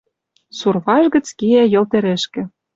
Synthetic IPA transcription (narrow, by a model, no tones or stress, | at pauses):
surβɑʒɣə̆t͡skiæjɤ̆lt̪ɘ̆ɾĕʃkɘ̆